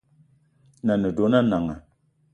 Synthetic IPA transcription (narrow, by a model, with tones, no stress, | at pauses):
na˨nə˨do˨˦na˦na˨ŋa̰˨